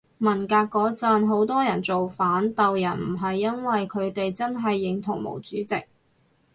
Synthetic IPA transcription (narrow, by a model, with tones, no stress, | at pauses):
mɐ˨˩nkaː˧kːɔː˨˥t͡sɐ˨nɦo˨˥wt̪ɔː˥jɐ˨˩nt͡so˨wfaː˨˥nt̪ɐ˨wjɐ˨˩nm̩˨˩ɦɐ˨jːɐ˥nwɐ˨jkʰɵ˨˧ɥt̪e˨jt͡sɐ˥nɦɐ˨jːɪ˨˧ŋt̪ʰʊ˨˩ŋmo̰˨˩wt͡syː˨˥t͡sɪ˨k̚